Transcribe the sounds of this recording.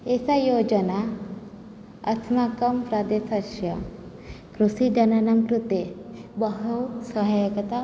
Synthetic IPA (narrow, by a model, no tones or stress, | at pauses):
esajod͡ʒəna | ɐ̰t̪ʰmakəmpɾad̪esaʃjɐ | kɾusid͡ʒɐnanamkɾut̪ebəɦowsəɦajəkət̪a